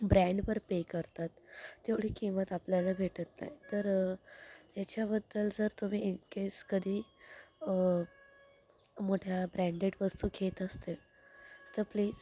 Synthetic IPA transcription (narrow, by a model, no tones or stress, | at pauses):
bɾæ̃ɳɖʋəɾpekəɾt̪at̪ːeʋɽ̤iːkimət̪apljalabʱeʈət̪na̰jt̪əɾ | t̪jat͡ɕjabəd̪ːəld͡zəɾt̪um̤iːekeskəd̪ʱiː | moʈʰjabɾæ̃ɳɖeʈʋəst̪uːkʰet̪əst̪el | t̪əɾpliːd͡z